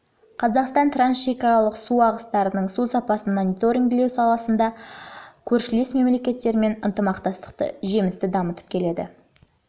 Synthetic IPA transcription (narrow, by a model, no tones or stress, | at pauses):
qʰɑzɑqst̪ɑnt̪ransʃe̞kɑɾɑlˠəqsuɑʁəst̪ɑɾənəɴsusɑpɑsənmonʲijt̪o̞ɾʲiŋɡle̞wsɑlˠɑsənd̪ɑ | kʲʰɵɾʃɪle̞sme̞mle̞kʲe̞t̪ːe̞ɾme̞nənt̪əmɑqt̪ɑst̪ə̥q̚t̪ə̰ʒe̞mɪst̪ɪd̪ɑmət̪ə̥p̚kʲʰe̞le̞d̪ɪ̰